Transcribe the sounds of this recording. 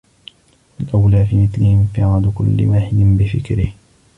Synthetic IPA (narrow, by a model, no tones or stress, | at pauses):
ʔalʔawlaːfiːmɪθlɪhɪmɪfɪʕaːd̪ʊkʊlːɪ̰waːħɪd̪ɪnbɪfɪkɾɪh